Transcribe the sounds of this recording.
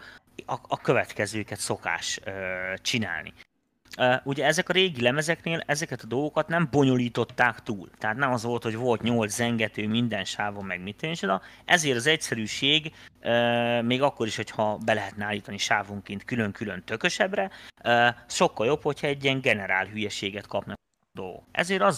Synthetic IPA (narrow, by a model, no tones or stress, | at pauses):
ɒɒkø̞vɛt̪kɛzøːkɛt̪so̞ka̰ːʃøt͡ʃina̰ːlnḭ | øʔuɟɛɛzɛkɒɾeːɡilɛmɛzɛkneːlɛzɛkɛt̪ɒd̪o̞lɡo̞kɒt̪nɛmbo̞ɲo̞liːt̪o̞t̪ːaːkt̪uːlt̪ɛɦat̪nɛmɒzʋo̞lt̪ho̞ɟvo̞lt̪ɲolzɛŋɡɛt̪øːmind̪ɛnʃaːvomːɛɡmit̪ːønt͡ʃod̪ɒʔɛ̰zeːɾɒzɛcsɛɾyːʃeːɡømeːɡɒkːo̞ɾiʃho̞cʰhɒbɛlɛɦɛt̪nɛaːlːiːt̪ɒniʃaːvoŋkeːnt̪kylø̞ŋkylø̞nt̪ø̞kø̞ʃɛbrɛøʃo̞kːɒljo̞pho̞chɒɛɟːiɛŋɡɛnɛɾa̰ːlɦyjɛʃeːɡɛt̪kʰɒpnɒk | d̪o̞lɡo̰kɛ̰zeːɾɒz